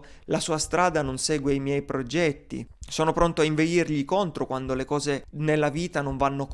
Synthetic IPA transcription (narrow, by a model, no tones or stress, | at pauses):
lasuːast̪ɾaːd̪anonsɛːɡweajmjɛjpɾod͡ʒɛt̪ːḭsoːnopɾont̪oaiɱved̪irʎikont̪ɾokwand̪olekɔːzenelːaviːt̪anoɱvanːok